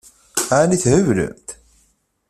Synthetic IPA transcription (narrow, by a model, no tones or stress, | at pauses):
aʕniθhəvɾə̰mt̪